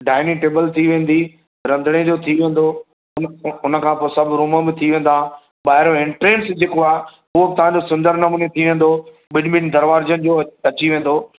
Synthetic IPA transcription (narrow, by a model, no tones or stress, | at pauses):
ɖaːɪniʈeːbəlt̪ʰiʋẽːn̆d̪i | ɾɐ̃nd̪ʱəɽ̃ed͡ʑoːt̪ʰiʋẽːn̆d̪o | ʊnʊnə̆kʰãːpoːsɐbʱɾũːmə̆bɪt̪ʰiʋẽːn̆d̪a | ɓaːɦɪɾoɪ̃ɳʈɾeːʈsd͡ʑeːkoaːɦe | ʊɦoɪt̪ɐʋ̤ãɲd͡ʑosʊ̃nd̪əɾnɐmũːnet̪ʰiʋẽːn̆d̪o | ɓɪnbɪnd̪ɐɾʋaːɾd͡ʑənɪ̆d͡ʑoːɐt͡ɕiʋẽːn̆d̪oː